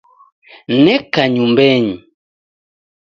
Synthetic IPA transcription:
nɛkaɲumbɛɲi

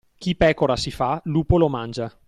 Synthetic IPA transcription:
k̟ipɛːkoɾasifaluːpolomand͡ʒa

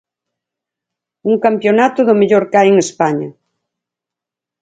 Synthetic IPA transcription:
uŋkampjonat̪ʊðʊmeʎoɾkajeŋespaɲɐ

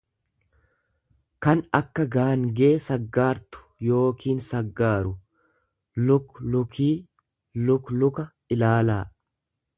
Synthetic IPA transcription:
kɐnɐkːɐɡaːŋɡeːsɐɡːaːɾt̪ʊ̥jo̞ːkʰiːnsɐɡːaːɾʊ | lʊklʊkʰiː | lʊklʊkɐ | ɪlaːlaː

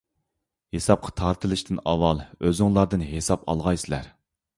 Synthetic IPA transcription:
hesɑp̚qʰɑ̥t̪ʰɑɾt̪ʰɨlˠɨʃt̪ʰɨnɑwɑlˠøzɨŋlˠɑɾd̪ɨnɦesɑpɑ̰lˠʁɑjsɪlæ̰ɾ

